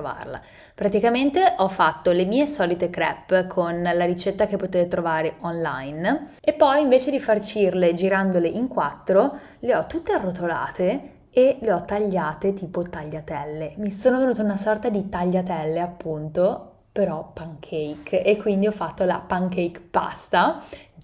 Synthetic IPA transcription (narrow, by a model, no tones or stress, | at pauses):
ova̰rla̰ | pɾat̪ikament̪eʔɔfːat̪ːolemiːesɔːlit̪ekɾɛ̰pːkʰonlaɾit͡ʃɛt̪ːakepːot̪eːt̪et̪ɾovaːɾeʔɔnla̰jn | epːɔjiɱveːt͡ʃed̪ifart͡ʃiirled͡ʒiɾand̪oleʔiŋkwat̪ːɾo | leɔt̪ːut̪ːearːot̪ola̰ːt̪e | eleɔt̪ːaʎːaːt̪et̪iːpot̪aʎːat̪ɛlːemisoːnovenuːt̪aunasɔrt̪ad̪it̪aʎːat̪ɛlːeapːunt̪o | peɾɔpaŋkʰɛjkekːwind̪iɔfːat̪ːola̰paŋkɛjkpa̰st̪a